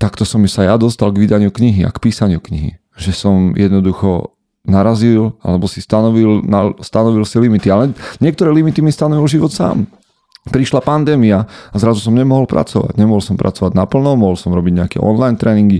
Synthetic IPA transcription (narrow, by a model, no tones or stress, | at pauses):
t̪akt̪ɔsɔmːisajad̪ɔst̪alɡʋid̪aɲɪukɲiɦia̰kpiːsaɲɪukɲḭɦḭ | ʒɛsɔmjɛd̪nɔd̪uxɔ̰ | naɾazila̰lɛbɔsist̪anɔʋilnast̪anɔʋilsilimit̪ialɛɲɪɛk̚t̪ɔɾɛːlimit̪imist̪anɔʋilʒiʋɔt̪sa̰ːm | pɾiʃlapand̪ɛːmiaazɾazusɔmɲɛmɔɦɔlpɾʔa̰t͡sɔʋa̰ɟɲɛmɔɦɔlsɔmpɾa̰t͡sɔʋaɟnapl̩nɔmɔɦɔlsɔmɾɔbiɟɲɛakɛ̰ʔɔ̰nlajnt̪ɾɛːniŋɡi